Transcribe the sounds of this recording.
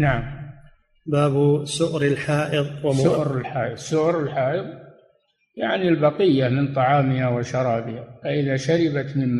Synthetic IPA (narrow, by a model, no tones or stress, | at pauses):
naʕam | baːbsʊʔɾɪlħaːʔɪðˤwaʊʔɾɪlħaːʔɨðˤsʊʔɾɪlħaːʔɨðˤ | jaʕnilbɑqɪjːamɪnt̪ˤɑʕɑːmɪhawɪʃɑɾˤɑːbɪhafaʔɪðaʃaɾɪbat̪mɪmm